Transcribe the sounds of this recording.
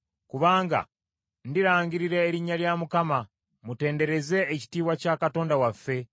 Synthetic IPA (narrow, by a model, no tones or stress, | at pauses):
kuβaːŋɡa̰ | ndiɾaːɲɟiɾiɾe̞ːɾiɲːaljamukama | mute̞ːnde̞ɾe̞ze̞ːci̥tiːβwacaːkato̞ːndawafːe̞